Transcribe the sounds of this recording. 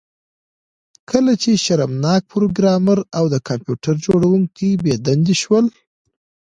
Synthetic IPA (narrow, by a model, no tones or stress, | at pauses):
kʰəlat͡ʃeʃaɾamnɑk̚pɾoɡɾɑmaɾawd̪əkʰɑmpjuʈaɾd͡ʒoɽawuŋkibed̪and̪iʃwəl